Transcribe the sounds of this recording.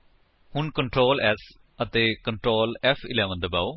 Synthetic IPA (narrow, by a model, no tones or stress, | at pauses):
hʊnkəɳʈɾoːlɛs | ət̪eːkəɳʈɾoːlɛfʰɪ̰lɛːʋənd̪əbaːoː